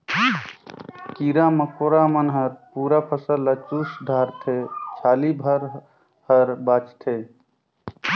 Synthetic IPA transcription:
kiːɾaməkoɾamənɦəɾpuːɾapʰəsəlːət͡ʃusd̪ʱaːɾt̪ʰet͡ʃʰaːlibʱəɾ | həɾbaːt͡ʃt̪ʰe

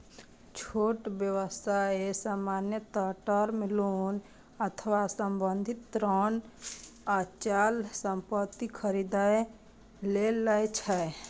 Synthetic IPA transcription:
t͡ʃʰoːʈbjəʋəst̪ʰaesaːmaːnjət̪əʈəɾmɪlun | ət̪ʰəʋasəmbə̃nd̪ʱɪt̪ːɾən | at͡ʃaːlsə̃mpət̪ːikʰəɾid̪ae | leləet͡ʃʰɛe

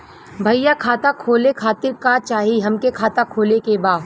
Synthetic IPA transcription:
bʱɐjakʰaːt̪akʰoːlekʰaːt̪ɪɾkat͡ʃaːɦiɦɐmkekʰaːt̪akʰoːlekebaːd̪

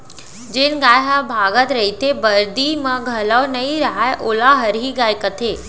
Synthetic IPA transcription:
d͡ʒeːnɡaːjɦɐbʱaːɡət̪ɾɐit̪ʰebɐɾd̪imãɡʱɐləʋnɐiɾɐɦaeʔʊlaɦɐɾɦiɡaːjkət̪ʰeː

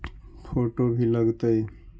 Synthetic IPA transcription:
pʰoʈobʱiləɡt̪əj

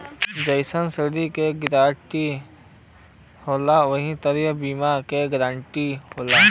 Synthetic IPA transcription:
d͡ʒəɪsənsɪd̪ikeɡɾaːʈi | hoːlaʋəɦĩt̪əɾjəbiːmakeɡɾãːɳʈihoːlaː

